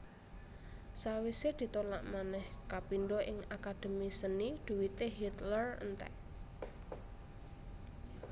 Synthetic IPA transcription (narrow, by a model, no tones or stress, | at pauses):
sawised̪̥i̤t̪ola̰ʔmanɛhkapinɖɔʔɪŋakad̪̥ə̤misənid̪̥ṳwit̪eɦit̪lərə̰nt̪ɛ̰ʔ